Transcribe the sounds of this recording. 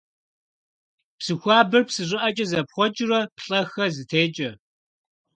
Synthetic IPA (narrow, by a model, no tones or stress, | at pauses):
psɨxʷɑːbɨrpsɨɕʷʼɪʔɐt͡ʃʼɐzɐpχʷɔt͡ʃʼrɐpɬʼɐxɐzɨtʰeːt͡ʃʼɐ